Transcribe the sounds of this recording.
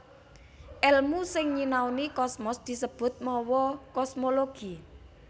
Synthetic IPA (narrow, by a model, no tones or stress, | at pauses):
ʔɛlmusɪŋɲinawnikɔsmɔsd̪̥i̤səb̥ʊ̤t̪̚mɔwɔkɔsmoloɡ̥i